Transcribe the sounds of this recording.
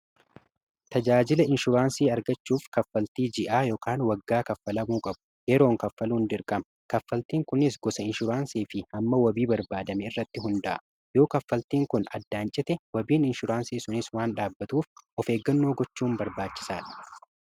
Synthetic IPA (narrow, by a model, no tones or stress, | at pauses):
t̪ɐd͡ʒaːd͡ʒɪlɐɪnʃʊɾaːnsiːɐɾɡɐt͡ʃːuːfkɐfːɐlt̪iːd͡ʒɪʔaːjoːkaːnwɐɡːaːkɐfːɐlɐmuːkʼɐbʊ̥ | jɛɾo̞ːŋkɐfːɐluːnd̪ɪɾkʼɐmɐ | kɐfːɐlt̪iːŋkʊnɪs̬ɡɔsɐɪnʃʊɾaːnsiːfɪɐmːɐwɐbiːbɐɾbaːd̪ɐmɛɪrːɐt̪ːɪɦʊnd̪ɐʔɐ̰ | jo̞ːkɐfːɐlt̪iːŋkʊnɐ̰d̪ːaːnt͡ʃʼɪt̪ɛwɐbiːnɪnʃʊɾaːnsiːsʊnɪswaːnᶑaːbːɐt̪uːfɔfe̞ːɡːɐnːo̞ːɡɔt͡ʃːuːmbɐɾbaːt͡ʃːɪ̥saːᶑɐ̥